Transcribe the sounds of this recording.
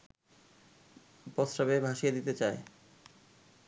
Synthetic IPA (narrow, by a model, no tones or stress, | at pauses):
pɔsɾabebʱaʃijed̪it̪et͡ɕae